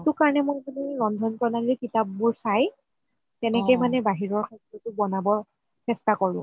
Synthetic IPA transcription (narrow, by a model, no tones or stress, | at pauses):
tʊkaɹɔnɛmojpuniɹɔndʱɔnpɔnadilukitap̚muɹsaj | tɛnɛkɔjmanɛbaɦiɹɔɹkʰakɔtʊbɔnabɔ | sɛstakɔɹʊ̰̃